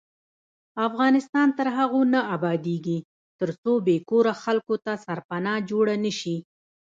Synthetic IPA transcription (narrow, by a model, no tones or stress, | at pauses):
afɣɑnɪst̪ɑnt̪əɾɦaɣonaabɑd̪eɡi | t̪əɾt͡sobekoɾaxalkot̪asaɾpanɑd͡ʒoɽanəʃi